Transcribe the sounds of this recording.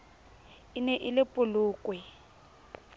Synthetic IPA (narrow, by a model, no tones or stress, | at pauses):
ɪnɛʔɪlɪpʼʊlʊːkʼwɛ